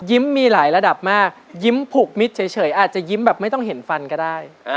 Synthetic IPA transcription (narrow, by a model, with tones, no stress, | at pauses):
ji˦˥mːiː˧laː˩˦jɾa˧da˨˩p̚maː˥˩k̚ji˦˥mpʰu˨˩k̚mi˦˥t̪̚t͡ɕʰɤ˩˦jt͡ɕʰɤː˩˦jʔaː˨˩t̪̚t͡ɕa˨˩ji˦˥mbɛː˨˩p̚ma˥˩jt̪ɔ˥˩ŋɦe˩˦nfa˧nkɔː˥˩daː˥˩j